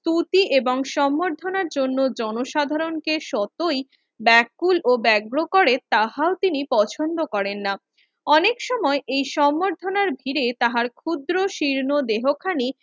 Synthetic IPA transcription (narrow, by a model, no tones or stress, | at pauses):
t̪ut̪iʔeboŋʃɔmːoɾd̪ʱonaɾd͡ʑonːod͡ʑɔnoʃad̪ʱaɾonkeʃɔt̪oj | bɛkːulobɛɡɾokɔɾet̪aɦaot̪inipɔt͡ɕʰond̪okɔɾenːa | ɔnekʃɔmɔeʔejʃɔmːoɾd̪ʱonaɾbʱiɾet̪aɦaɾkʰud̪ɾoʃiɾnod̪eɦokʰani